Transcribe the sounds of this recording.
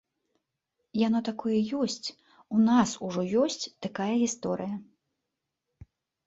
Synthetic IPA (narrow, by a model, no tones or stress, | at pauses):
janɔt̪akɔjɐjɔsʲt͡sʲ | unasuʐɔjɔsʲt͡sʲt̪akajɐɣʲist̪ɔɾɨjɐ